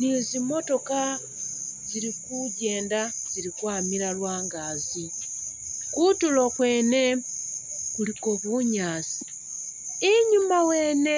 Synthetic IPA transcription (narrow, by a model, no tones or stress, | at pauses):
nizimo̞to̞ka | ziɾikuɟe̞ːndaziɾikwaːmiɾalwaːŋɡaːzi | kutulo̞kwe̞ːne̞ | kuliko̞βuɲaːsi̥ | iɲumawe̞ːne